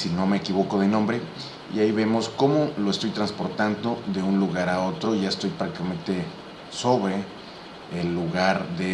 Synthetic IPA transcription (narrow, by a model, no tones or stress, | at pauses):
sino̞me̞ːkiβo̞ko̞ðenõ̞mbɾe̞ | ḭaiβe̞mo̞sko̞mo̞lo̞est̪o̞jt̪ɾanspo̞ɾt̪and̪o̞ðe̞unluɣaɾao̞t̪ɾo̞ʝaest̪o̞jpɾakt̪ikamẽ̞nt̪e̞ | so̞βɾeː | lːuɣaɾðe